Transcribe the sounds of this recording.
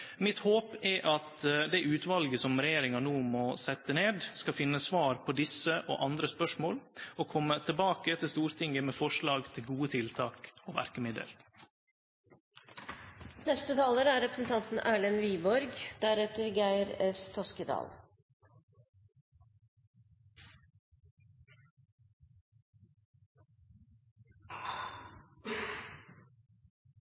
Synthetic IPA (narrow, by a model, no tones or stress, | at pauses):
mɪt̪hoːpɛʔɑt̪d̪ɛʔʉːt̪ʋɑlɡəsɔmɾɛjeːɾɪŋɑnuːmɔsɛt̪ːəneːd̪skɑfɪnːəsʋɑːɾpʰɔd̪ɪsəʔo̰ʔɑnd̪ɾəspœʂmoːlɔkʰɔmːət̪ʰəbɑːkət̪ʰɪlst̪uːɾt̪ʰɪŋəmeːfɔʂɭɑːɡt̪ʰɪlɡuːət̪ʰɪlt̪ʰɑːkoːʋæ̰ɾkəmɪd̪ə̰l | nɛst̪ət̪ʰɑːləɾəæːɾɛpɾəsn̩t̪ʰɑnt̪n̩ʔæːɭənʋiːbɔɾɡd̪æɾɛt̪əɾɡæɪɾɛst̪ʰɔskəd̪ɑ̰ːl